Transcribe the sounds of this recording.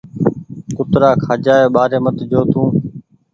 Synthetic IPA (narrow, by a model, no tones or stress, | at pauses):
kʊt̪ɾaːkʰaːd͡ʒaːeːɓaːɾeːmət̪d͡ʒoːt̪ʰũː